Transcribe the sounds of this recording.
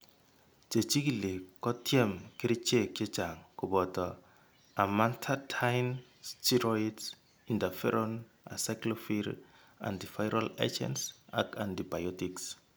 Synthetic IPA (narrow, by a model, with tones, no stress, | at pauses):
d͡ʒe˨t͡ʃi˦ki˨li˨kɔ˦tʰi˦ɛ˦mke˦ɾi˦t͡ʃe˦˨ke˦d͡ʒa˨ŋku˨bɔ˨tɔ˨ | a˨ma˦ntʰatʰajn | stʰi˦ɾɔids | indafɛ̰˦ɾɔn | a̰sajklɔfiɾ | ã̰ndi˨fajɾala̰d͡ʒɛ̰nsa̰kãndi˨bajɔtiks